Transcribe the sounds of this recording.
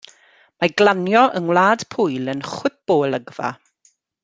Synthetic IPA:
maɡlanjɔʔəŋwlˠaːd̥pʰʊjlˠənχwɪθb̥oːlˠəɡva̰

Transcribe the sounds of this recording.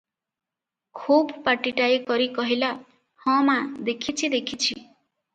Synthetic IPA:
kʰubpaʈiʈaekɔɾikɔɦila | hɔ̃mad̪ekʰit͡ʃʰid̪ekʰit͡ʃʰi

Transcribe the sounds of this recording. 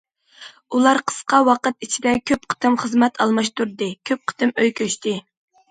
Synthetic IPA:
ulˠɑɾqʰə̥sqɑwɑqət̪it͡ʃʰid̪ɛkʲʰøp̚qʰə̥t̪ɨmχəzmɛt̪ʰɑlˠmɑʃt̪uɾd̪ɨkʲʰøp̚qʰə̥t̪ɨmøjkʲʰøʃt̪ɪ

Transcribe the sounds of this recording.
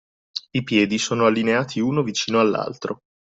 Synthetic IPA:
ipjɛːd̪isoːnoalːineaːt̪ʰiuːnovit͡ʃiːnoalːa̰lt̪ɾo

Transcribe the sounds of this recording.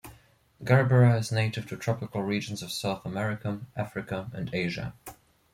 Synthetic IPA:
ɡ̥ɛɹbəɹəɪzneɪɾɨv̥tʰɨtʰɹ̥ɑpɨkəl̩ˠɹiːd͡ʒə̃n̩zʌv̥saʊθəmɛɹɪkəʔæfɹɨkəɨ̰̃ndeɪʒə̰

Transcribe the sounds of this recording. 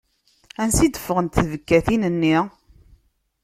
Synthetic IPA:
ænsid̪əfːəʁənt̪θəvəkːæθinənːi

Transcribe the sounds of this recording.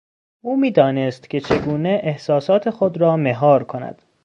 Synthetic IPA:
ʔuːmiːd̪ɒːnest̪cʲʰe̞t͡ʃʰe̞ɡuːneʔehsɒːsɒːt̪ʰe̞xod̪ɾɒːmeɦɒːɾkʰonæ̰d̪̥

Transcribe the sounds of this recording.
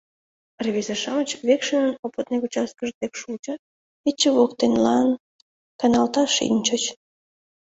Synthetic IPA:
reβezeʃɑmət͡ɕβekʃənənopət̪̚nekut͡ɕɑs̚kəʒd̪ekʃult͡ɕə̆ | et͡ɕːəβokt̪enlɑn | kɑnɑlt̪ɑʃḭnʲt͡ɕət͡ɕ

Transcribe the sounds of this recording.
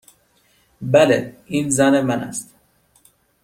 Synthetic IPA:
bæleiːnzænemænæ̰st̪

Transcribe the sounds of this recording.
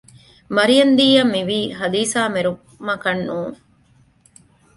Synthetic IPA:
mɐɾijɐnd̪iːjɐmːiʋiːɦɐliːsaːmeɾu | mɐkɐnːuːŋ

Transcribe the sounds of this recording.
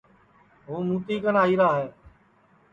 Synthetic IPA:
ɦuːmuːt̪iːkənaːiːɾaːɦeː

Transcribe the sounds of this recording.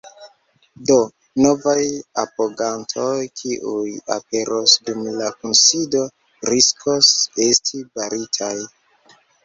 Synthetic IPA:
do̞ | no̞vajapoɡantʰo̞jkʰiʔuja̰pe̞ɾʔosdumlakunsido̞ | ɾiskʰose̞stʰibaɾitʰaj

